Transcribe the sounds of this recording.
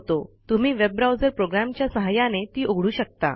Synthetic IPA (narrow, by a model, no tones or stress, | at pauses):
t̪ot̪um̤iːʋeb̚ːɾawd͡zəɾpɾoɡɾæmt͡ɕjasəɦajãnet̪iːʔoɡʱɽuːɕək̚t̪a̰